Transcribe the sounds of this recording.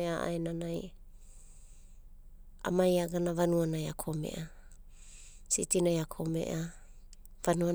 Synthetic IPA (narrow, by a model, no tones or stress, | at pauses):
eaʔa̰enanaj | a̰majaɡanavanuanajakʰomḛʔa | sḭtinajakʰomḛʔa | vanua